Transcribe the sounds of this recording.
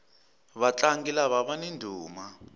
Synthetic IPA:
βat͡ɬaŋɡilaβaβanendʱuːma

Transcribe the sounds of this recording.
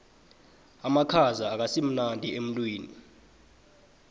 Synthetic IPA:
amakʰazaːk̬asim̩nandʱʼiem̩tʼwiːnḭ

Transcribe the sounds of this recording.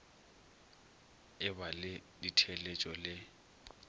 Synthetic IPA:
ɪbalɪditʰɛlet͡ʃʼɔlɪ

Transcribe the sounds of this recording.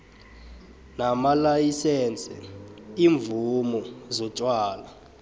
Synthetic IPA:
namalajisɛnt͡sʼɛiːɱb̪vumɔzɔt͡ʃʼwaːla

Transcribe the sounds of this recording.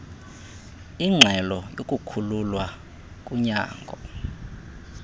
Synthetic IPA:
iŋ͡ǁʱɛlɔjokʼukʰululwa | kʼuɲa̰ːŋɡʱɔ

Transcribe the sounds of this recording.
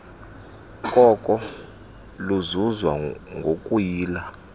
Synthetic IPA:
kʼɔkʼɔ | luzuzwaŋɡʱokʼujiːla

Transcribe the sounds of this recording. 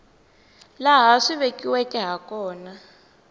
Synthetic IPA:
laɦaʂiβekʼiwɛkʼɛɦakɔːna

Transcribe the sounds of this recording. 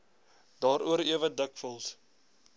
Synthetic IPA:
d̥ɑːɾuəɾiəvədəkfəlˠs

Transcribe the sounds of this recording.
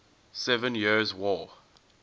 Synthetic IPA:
sɛvə̃njizwɔː

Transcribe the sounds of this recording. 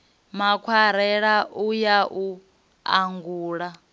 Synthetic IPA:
makʰwaɾɛɺaʔujaʔu | a̰ŋɡuːɺa

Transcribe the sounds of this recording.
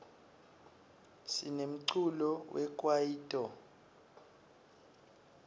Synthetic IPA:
sinem̩ǀʰulɔwʔɛkʼwajiːtʼɔ

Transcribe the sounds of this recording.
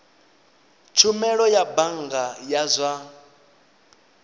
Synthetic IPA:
t͡ʃʰumɛɺɔjabaŋɡajazʷa

